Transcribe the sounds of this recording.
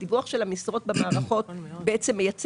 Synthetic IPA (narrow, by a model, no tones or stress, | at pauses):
d̥ivuaχʃe̞lamisʁo̞t̚bemaːʁaχo̞tbeʔet͡semːejat͡s